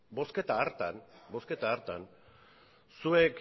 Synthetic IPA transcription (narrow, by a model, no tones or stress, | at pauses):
bo̞sket̪aːɾt̪anbo̞ske̞t̪aːɾt̪an | suek